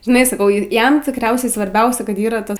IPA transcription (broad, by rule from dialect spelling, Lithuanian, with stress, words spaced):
ʒʲɪˈnɐɪ sɐˈkɐʊ ˈjɛm tʲɪkˈrʲɛʊsʲɛɪ sʋɐrʲˈbʲɛʊsʲɛ ˈkɐt ˈiːrɐ ˈtɐs